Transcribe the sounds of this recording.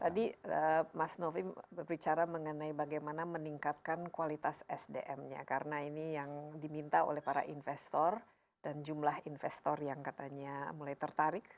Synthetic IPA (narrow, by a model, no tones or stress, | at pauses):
t̪adiəmasnofibərbit͡ʃaɾaməŋənaibaɡajmanaməniŋkat̪̚kankualit̪asɛsdḛʔɛmɲa̰kaɾənainijaŋdimint̪ao̰lɛhpaɾa̰ʔinfɛst̪ɔr | dand͡ʒumlahinfɛst̪ɔrjaŋkat̪aɲamulajt̪ərt̪aɾɪk̚